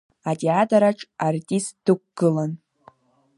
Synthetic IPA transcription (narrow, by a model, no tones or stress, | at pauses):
atʼeatʰʼaɾaʈ͡ʂʼartʼistd̥ɨkʷɡ̥ɨlan